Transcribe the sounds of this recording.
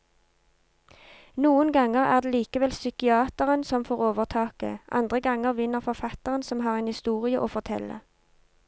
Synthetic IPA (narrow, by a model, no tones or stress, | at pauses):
nuːənɡɑŋəʁæ̰ːʁd̪eːliːkəʋɛlsʏkɪɑːt̪əʁənsɔmfoːʁoːʋəʁt̪ʰɑːkə̰ʔɑ̰nd̪ʁəɡɑŋəʁʋɪnəʁfɔʁfɑt̪əʁənsɔmɦɑːʁeːnhɪst̪uːʁɪəʔoːfɔʁt̪ʰɛ̰lə̰